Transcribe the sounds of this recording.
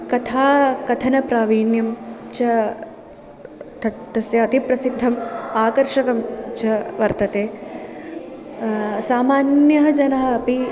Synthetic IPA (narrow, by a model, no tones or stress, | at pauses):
kɐt̪ʰaːkɐt̪ʰɐnɐpɾaːʋiːnjɐmt͡ʃɐ | t̪ʰɐt̪ːɐsjɐːt̪ipɾɐsid̪ʱːɐmaːkɐɾʂɐkɐmt͡ʃɐʋɐɾt̪ɐt̪eː | saːmaːnjɐɦɐd͡ʒɐnɐɦɐɐpi